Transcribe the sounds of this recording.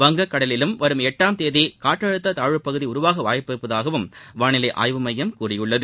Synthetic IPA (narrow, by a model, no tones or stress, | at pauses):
ʋɐŋɡɐkːɐɽɐlɪlɯmʋɐɾɯmɛʈːaːmt̪eːðikaːʈːɐɻɯt̪ːɐt̪aːɻɯpːɐɣɯðiʊɾʊʋaːɣɐʋaːjɐpːɛpːɐðaːɣɐʋɯmʋaːnɪlɐɪʔa̰ːjʋɯmɐjːɐmkuːrɪjɯɭːɐðɯ